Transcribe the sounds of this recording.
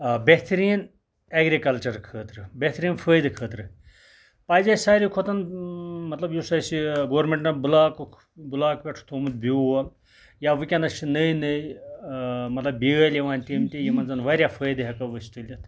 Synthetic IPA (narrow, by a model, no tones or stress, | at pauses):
beɦt̪ɾiːn | eːɡɾikɐlt͡ʃɐɾkʰəːt̪ɾɨbeht̪ɾiːnfʰəːjd̪kʰəːt̪ɾɨ | paːjzaːsaːɾikʰot̪ɐnmɐt̪lɐbjusɐsiɡoːɾmʲeɳʈnɐbulaːk | bulaːkpʲeʈʰt̪ʰomut̪̚biol | jaːʋɨkʲɐnɐst͡ʃʰinəjnɨj | mɐt̪lɐbbiɡɐːlʲjiʋaːnʲtʲiːmt̪ʲijimɐnzɐnʋaːɾʲjafʰəːjd̪ɨɦɐkɐʋəst̪ilʲjɐt̪ʰ